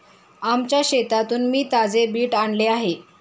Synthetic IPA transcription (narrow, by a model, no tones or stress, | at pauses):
amt͡ɕjaɕet̪at̪uːnmiːt̪ad͡zebiːʈaɳleaɦe